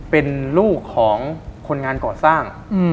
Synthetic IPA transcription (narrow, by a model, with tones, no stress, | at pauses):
pe˧nluː˥˩kʰːɔː˩˦ŋkʰo˧nŋaː˧nkɔː˨˩saː˥˩ŋ | ɯ˧